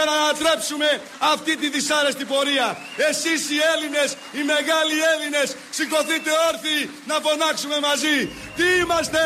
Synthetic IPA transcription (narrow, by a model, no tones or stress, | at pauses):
ɐnɐt̪ɾepsume̞ | ɐft̪it̪iðisaɾest̪ipo̞ɾiɐ | esisielines | imeɣalieline̞s | sikoθit̪eoɾθi | nɐpo̞nɐksumemɐzi | t̪iimɐst̪e